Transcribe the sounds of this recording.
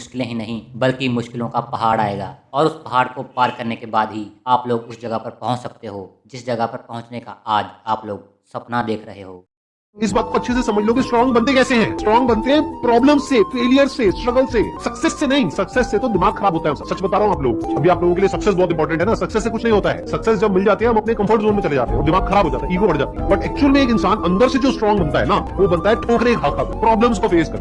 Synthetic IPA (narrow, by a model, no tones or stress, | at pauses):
mʊʃkɪlẽɦinɐɦĩbɐlkimʊʃkɪlõkapɐɦaːɽa̰ːeːɡa̰ːɔːɾʊspɐɦaːɽkopaːɾkɐɾnekebaːd̪ɦiaːploːɡʊsd͡ʒɐɡəpɐɾpɐɦʊ̃t͡ʃsɐk̚t̪eɦoːd͡ʒɪsd͡ʒɐɡəpɐɾpɐɦʊ̃t͡ʃneka̰aːd͡ʒaːploːɡ̚ | sɐpnad̪eːkʰɾɐɦeɦoː | ɪs̬baːt̪̚koɐtːʃʰesesɐməd͡ʒʱloõkisʈɾɔ̃ːŋɡbɐ̃nt̪̬ẽkɛːseɦɛ̃ːsʈɾɔːŋɡbɐ̃nt̪eɦɛ̃pɾɔːbləmsːefeːlijəɾsesʈɾɐɡəlsesɐksɛsːenɐɦĩsɐksɛsːet̪od̪ɪmaːɡxɐɾaːbɦoːt̪aɦɛːmsəbsɐt͡ʃbɐt̪aːɾɐɦũaːplo̰ːɡkoɐbʱiaːploːɡõk̬elijesɐksɛs̬bɔːt̪ɪmpɔːɾʈ̬ə̃ɳʈɦɛnasɐksɛsːek̬ʊt͡ʃʰnɐɦĩɦoːt̪aɦɛ̰ːsɐksɛsd͡ʒɐbmɪld͡ʒaːt̪iɦɛ̃ɦɐmɐpnekɐ̃mfəɾʈzõːnmẽt͡ʃɐled͡ʒa̰ːt̪ḛɦɛ̃ɔɾd̪ɪmaːɡxɐɾaːbʱɦoːd͡ʒa̰ːt̪aɦɛiːkobɐɽd͡ʒa̰ːt̪iɦɛ̃bɐʈɛːk̚t͡ʃuəlmẽeːkɪ̃nsaːnɐ̃nd̪əɾsed͡ʒoːsʈɾɔ̃ːŋɡbɐ̃nt̪aɦɛ̰naʋobɐnt̪aɦɛʈʰõːkneːkɦaːkakpɾɔːblə̃mskofeːz̥kɐɾt̪ː